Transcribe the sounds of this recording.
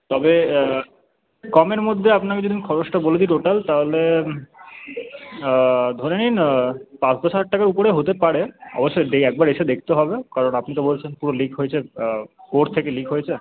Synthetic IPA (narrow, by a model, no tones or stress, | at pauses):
t̪ɔbe | kɔmeɾmod̪ʱːeapnaked͡ʑod̪ʱinkʰɔɾot͡ɕʈaboled̪iʈoʈalt̪aɦole | d̪ʱoɾeninpat͡ɕd̪ɔt͡ɕʰaʈ̚ʈakaɾupoɾeɦot̪epaɾeɔ̰boʃːojd̪ejɛk̚baɾeʃed̪ekʰt̪eɦɔbekaɾonapnit̪obolt͡ɕʰenpuɾolikʰɦojet͡ɕʰekoʈt̪ʰekelikʰɦojet͡ɕʰe